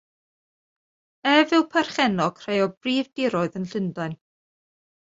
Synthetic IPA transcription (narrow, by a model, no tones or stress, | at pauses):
ɛvɪlˠpʰarχɛnɔkʰr̥ejɔbriːvdɪɾɔɨðənɬɪndaɨn